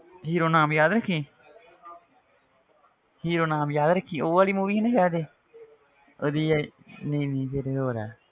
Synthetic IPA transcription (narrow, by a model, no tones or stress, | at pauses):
ɦiːɾoːnaːmjaːd̪ɾəkʰːeː | hiːɾoːnaːmjaːd̪ɾəkʰːiːoːʋaːliːmuʋiːneɦjaːd̪eː | oːd̪iːneĩːnẽːseːɾeːoːɾɛ̰ː